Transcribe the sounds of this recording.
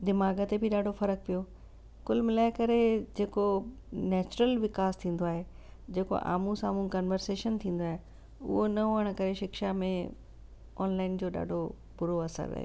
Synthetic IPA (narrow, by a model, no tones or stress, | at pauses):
d̪ɪmaːɡət̪ebɪɗaːɖʱofɐɾək̚pijo | kʊlmɪlaːɪkɐɾed͡ʑeːko | nɛːt͡ɕʊɾəlʋɪkaːst̪ʰĩːn̆d̪oaːɦe | d͡ʑeːko̰ʔa̰ːmũsaːmũːnkɐnʋəɾseːʃənt̪ʰĩːn̆d̪oaːɦe | ʊ̰ɦonɐoəɽ̃kɐɾeʃɪkʃamẽ | ɔːnlaːɪnd͡ʑoːɗa̰ːɖʱo | pʊɾoɐsə̰ɾːɐ̰ɦjo̰